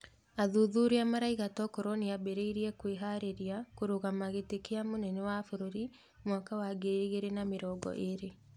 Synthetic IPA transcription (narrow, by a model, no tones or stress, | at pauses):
aðuðuɾeamaɾaiɣatɔkɔɾɔneabeɾeiɾiɛkweɦaɾeɾiakoɾoɣamaɣetekeamonɛnɛwafoɾoɾi | mwakawaɡeiɣeɾenameɾɔːɡɔ̰ʔeɾe